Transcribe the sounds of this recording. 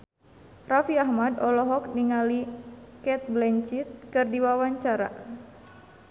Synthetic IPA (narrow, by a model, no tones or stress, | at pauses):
rafiahmadɔlɔɦɔk̚niŋalikɛt̪̚blɛɲt͡ʃit̪̚kɨrdiwawaɲt͡ʃaɾa̰